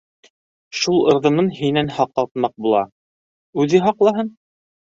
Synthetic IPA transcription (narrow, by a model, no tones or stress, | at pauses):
ʃulˠɤ̆ɾðɤ̆nɤnɦinænhɑqɑlˠt̪̚mɑq̚bulˠɑ̰ | ʉðɘɦɑqlˠɑɦɤn